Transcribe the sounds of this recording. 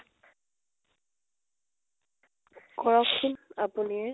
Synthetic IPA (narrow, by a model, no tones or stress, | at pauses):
kɔɹɔkʰːunapuniɛ